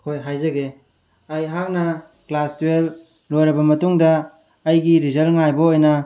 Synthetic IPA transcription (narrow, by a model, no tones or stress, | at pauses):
kʰojɦajzɐɡe | ɐjɦaŋnɐ | klastuwel | lojɾɐbɐmɐtuŋdɐː | jɡiɾizɐlŋajboojnɐ